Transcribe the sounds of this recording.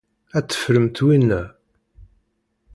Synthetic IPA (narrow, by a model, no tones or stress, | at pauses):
æt͡sːə̥fɾəmt̪winːæ